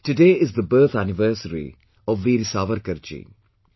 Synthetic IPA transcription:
ʈuɖeːɪzd̪əbəːɾt̪ʰænɪʋəːɾsəɾḭ | ɔʋʋiːɾisaːʋəɾkəɾt͡ʃḭ

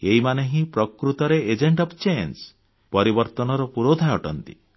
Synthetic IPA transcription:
eimaneɦĩpɾɔkɾut̪ɔɾeed͡ʒeɳɖɔpt͡ʃend͡ʒ | pɔɾibɔɾt̪ɔnɔɾɔpuɾowd̪ʱaeɔʈɔ̰nt̪ḭ

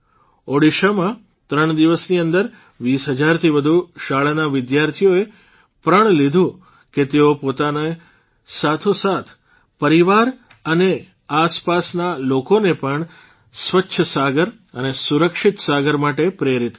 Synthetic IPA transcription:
oɽiʃamã | t̪ɾəɳ̃d̪iʋəsniənd̪əɾ | ʋisɦəd͡ʒaɾt̪ʰiʋəd̪ʱuʃaɭanaʋɪd̪jaɾt̪ʰijoe | pɾəɳ̃lid̪ʱũ | ket̪eopot̪ane | sat̪ʰosat̪ʰ | pəɾiʋaɾ | əne | aspasnalokonepəɳ | sʋətːʃʰəsaɡəɾ | ənesuɾəkʃɪt̪saɡəɾmaʈepɾeɾit̪

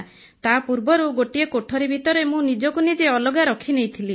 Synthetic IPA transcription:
t̪apuɾbɔɾuɡoʈiekoʈʰɔɾibʱit̪ɔɾemũnid͡ʒɔkunid͡ʒeɔlɔɡaɾɔkʰinejt̪ʰili

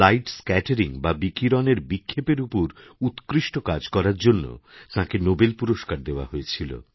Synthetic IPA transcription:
lajʈskɛʈeɾiŋbabikʰiɾɔneɾbikʰːepeɾupoɾut̪kɾiʃʈokad͡ʑkɔɾaɾd͡ʑonːo̰t̪ãkenobelpuɾoʃkaɾd̪eoa̰ɦojet͡ɕʰilo̰

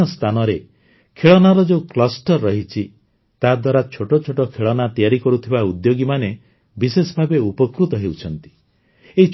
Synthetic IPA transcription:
ɔst̪ʰanɔɾe | kʰeɭɔnaɾɔd͡ʒeuklɔsʈɔɾːɔɦit͡ʃʰi | t̪ad̪ʱwaɾat͡ʃʰoʈɔt͡ʃʰoʈɔkʰeɭɔnat̪ijaɾikɔɾut̪ʰibaud̪joɡimane | bisesɔbʱabeupɔkɾut̪ɔɦewt͡ʃʰɔnt̪i̥ | eit͡ʃ

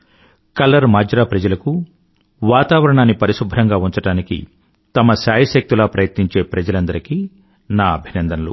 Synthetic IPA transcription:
kɐlːɐɾmaːd͡ʒɐɾaːpɾɐd͡ʒɐlɐku | ʋaːt̪aːʋɐɾɐɳaːnːipɐɾiʃubʱɾɐŋɡaːuɲt͡ʃɐʈaːnikḭ | t̪ɐmɐsaːjɐʃɐk̚t̪ulaːpɾɐjɐt̪niɲt͡ʃe̞ːpɾɐd͡ʒɐlɐnd̪ɐɾiki | naːɐbʱinɐnd̪ɐnɐlṵ

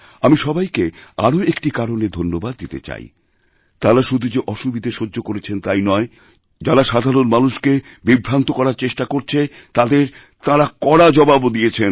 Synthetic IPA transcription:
amiʃɔbajkea̰ɾoekʈikaɾoned̪ʱonːobad̪ːit̪ḛt͡ɕa̰j̰ | t̪aɾaʃud̪ʱud͡ʑeʔɔʃubid̪ʱeʃoːokoɾet͡ɕʰent̪ajnɔe | d͡ʑaɾaʃad̪ʱaɾonmanuʃke | bibʱɾant̪okɔɾaɾt͡ɕeʃʈakoɾt͡ɕʰet̪ad̪eɾ | t̪ãɾakɔɽad͡ʑɔbabd̪iet͡ɕʰen

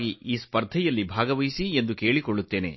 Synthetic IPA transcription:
ɡiʔiːspɐɾd̪ʱɛjɐlːibʱaːɡɐʋɐjisie̞nd̪uke̞ːɭikoɭːut̪ːe̞ːne̞̰

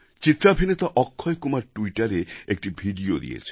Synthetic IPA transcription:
t͡ɕit̪ːɾabʱinet̪aʔɔkʰːɔekumaɾʈuiʈaɾeek̚ʈibʱiɖiod̪ḭjḛt͡ɕʰe

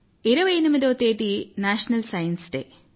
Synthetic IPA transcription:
iɾɐʋɐjnimɐd̪iot̪ːeːt̪inaːʂnɐlsɐjɐnsʈe

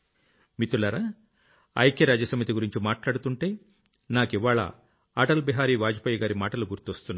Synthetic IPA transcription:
mit̪ulɐɾa | ɐ̰jkɐɾaːd͡ʒjɐsɐmit̪iɡuɾiɲt͡ʃimaːʈlaːɽut̪uɳʈe̞ː | naːkiʋaːɭɐ̰ | aːʈɐlbiɦaːɾiːʋaːd͡ʒupɐjɐɡaːɾimaːʈɐluɡuɾt̪uʋɐst̪unːa

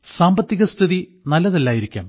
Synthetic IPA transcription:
saːmbɐt̪ːiɣɐst̪ʰiði | nɐlːɐðelːaːjiɾikʲːa̰ːm

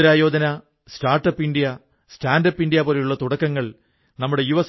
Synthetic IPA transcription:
ɐɾaːjo̞ːd̪ɐnɐ | staːrʈːɐpːiɳɖijɐ | staːndɐpːiɳɖijaːpoːlejuɭːɐt̪uɽɐkːɐŋːɐɭ | nɐmːuɽe̞juʋɐs

